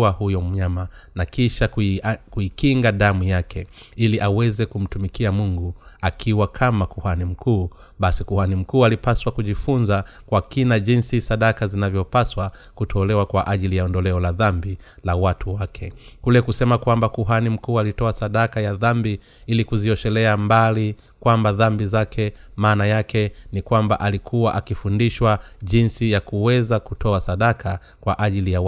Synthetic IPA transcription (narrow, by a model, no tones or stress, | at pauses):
ahujɔm̩ɲamanakiʃakuikiŋɡaɗamujakʰɛ | iliʔawɛzɛkum̩tumikiamuŋɡuakʰiwakʰamakuhanim̩kʰuː | ɓasikuhanim̩kuːalipaswakuʄifunza | kwakinaʄinsisaɗakazinavjɔpaswa | kutʰɔlɛwakwaʔaʄilijaɔndɔlɛɔlaðambi | lawatʰuwakʰɛkulɛkusɛmakwambakuɦanim̩kuːalitɔasaɗakajaðambi | ilikuziɔʃɛlɛambali | kwambaðambizakʰɛmaːnajakɛnikwamba̰ʔalikʰuwaʔakifundiʃwaʄinsijakuwɛzakutʰɔasaɗakʰa | kwa̰ʔaʄilija